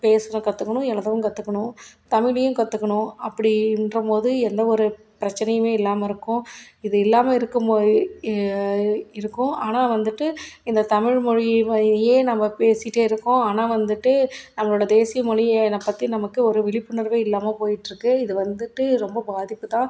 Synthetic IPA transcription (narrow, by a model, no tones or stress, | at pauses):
peːsɐnɐkɐt̪ːɯkːɐɳʊ̃ɛɭɐðɐʋɯ̃kɐt̪ːɯkːɐɳʊ̃t̪ɐmɪɭɪjʊ̃kɐt̪ːɯkːɐɳʊ̃ɐpːɐɽɪnrɐpoːðɯɛnd̪ɐɔɾɯ | pɪɾɐt͡ʃːɐnɐjɯmeːɪlːaːmɐɪɾɯkːʊ̃ɪðɯɪlːaːmɐɪɾɯkːɯm | ɪɾɯkːʊ̃aːnaːʋɐnd̪ɯʈːɯɪnd̪ɐt̪ɐmɪɻmɔɻɪɐjeːnɐmːɐpeːsɪʈːeːɪɾɯkːʊ̃aːnaːʋɐnd̪ɯʈːɯnɐmːɐɭoːɽɐd̪eːsɪjɐmɔɻɪnɐpːɐt̪ːinɐmɐkːɯɔɾɯʋɪɭɪpːɯnɐɾʋeːɪlːaːmɐpoːjɪʈːɾɯkːɯɪðɯʋɐnd̪ɯʈːɯɾɔmbɐbaːðɪpːɯt̪ãː